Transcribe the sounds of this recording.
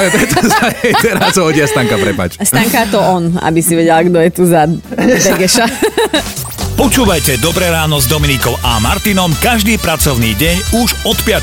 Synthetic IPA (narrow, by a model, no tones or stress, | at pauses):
ʋɛpɾɛt̪ɔsaɛɛɾasɦɔɟɪast̪aŋkapɾɛpa̰ːt͡ʃst̪aŋkat̪ɔɔna̰bisiʋɛɟɛlɡd̪ɔjɛt̪uzabɛɡɛʃa | pɔt͡ʃuːʋajcɛd̪ɔbɾɛːɾaːnɔzd̪ɔminikɔʊʔa̰maɾt̪inɔmkaʒd̪iːpɾat͡sɔʊniːɟɛɲuʒɔt̪pɪa